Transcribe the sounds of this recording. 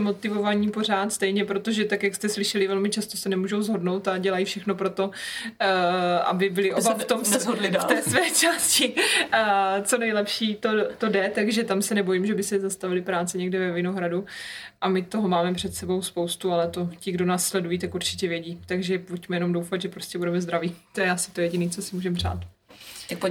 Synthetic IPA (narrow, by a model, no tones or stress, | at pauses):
mo̞t̪ɪvo̞vaɲiːpo̞r̝aːt̪st̪ɛjɲɛpɾot̪oʒɛt̪akjakst̪ɛslɪʃɛlɪvɛlmɪt͡ʃast̪o̞sɛnɛmuːʒo̞wzɦo̞dnowt̪aɟɛlajifʃɛxno̞pɾo̞t̪o̞ | ʔa̰bɪbɪlɪʔobaft̪omslɪt̪ɛːsvɛːt͡ʃaːscɪ | t͡so̞nɛjlɛpʃiːt̪ot̪o̞dɛt̪aɡʒɛt̪amsɛnɛbo̞jimʒɛbɪsɛzast̪avɪlɪpɾaːt͡sɛɲɛɡdɛvɛvɪno̞ɦɾaduʔamɪt̪o̞ɦo̞maːmɛpr̝̥ɛt̪sɛbo̞wspowst̪ualɛt̪o̞cɪɡdo̞naːsːlɛdujiːt̪akuɾt͡ʃɪ̥cɛvjɛɟiːt̪aɡʒɛpucmɛjɛno̞mdowfat̪ʒɛpɾoscɛbudɛmɛzd̪ɾaviːt̪ojɛʔasɪ̥t̪o̞jɛɟɪniːt͡so̞sɪmuːʒɛmpr̝̥a̰ːt̪ | t̪ak̚po